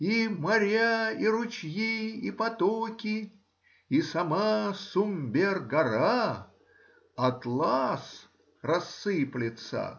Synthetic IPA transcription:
imɐɾʲaiɾʊt͡ɕjiːpɐt̪okʲɪ | isɐmasʊmʲbʲerɡɐɾa | ɐt̪lˠas | rɐsːɨplʲɪt̪sə̰

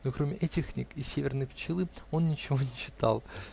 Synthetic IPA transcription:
nokɾo̞mʲɪʔɛtʲɪxnʲikɪsʲevʲɪrnɨjpt͡ɕːɪlˠɨo̞nnʲɪt͡ɕɪvo̞nʲɪɕːɪ̥t̪ɑ̰lˠ

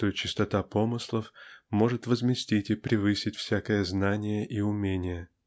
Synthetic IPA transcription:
t̪ot͡ɕɪst̪ɐt̪apomɨslˠəfmo̞ʐɨt̪vəzmʲɪsʲtʲitʲɪpɾʲɪvɨsʲɪtʲfsʲækəjəznanʲɪjəʔiʊmʲenʲɪjə

